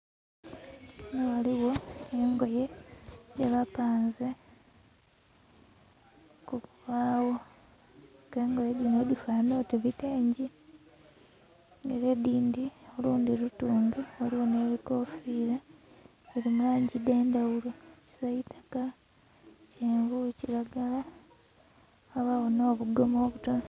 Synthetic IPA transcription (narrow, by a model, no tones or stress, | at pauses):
newaliwo̞eŋɡo̞je̞deβapaːnze | kuβuβaːwo | ke̞ːŋɡo̞jedinodifanoteβiteːɲɟi | ŋeɾediːndioluːndiɾutuːnduoliβone̞βiko̞fiːɾa | eɾimulaːɲɟideːndawuloci̥saitḁka | ceːɱvuciɾaɡala | aβawono̞ːβuɡo̞mo̞ːβuto